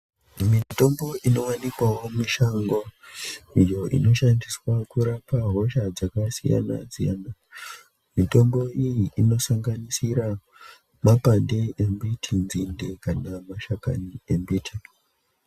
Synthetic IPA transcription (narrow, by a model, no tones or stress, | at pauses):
mito̞mbo̞ʔino̞wanikwawo̞miʃaŋɡo | ijo̞ʔḭno̞ʃandiswakuɾapaɦo̞ʃad͡zakasija̰na̰d͡zijana | mito̞mbo̞ijiʔino̞saŋɡanisiɾa | mapandeʔembitʰinzinde̞kanamaʃaka̰niembitʰi